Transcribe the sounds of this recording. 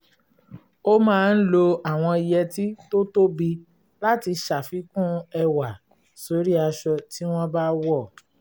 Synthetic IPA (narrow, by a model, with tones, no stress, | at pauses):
o˦mãː˦˧n̩˦lo˧a˨w̃ɔ̃˧i˧jɛ˧ti˦to˦to˦bi˧ | la˦ti˧ʃa˨fi˨˦kũ˦ɛ˧wa˨ | so˨˦ɾi˦a˧ʃɔ˧ti˦w̃ɔ̃˦ba˦wɔ˦˨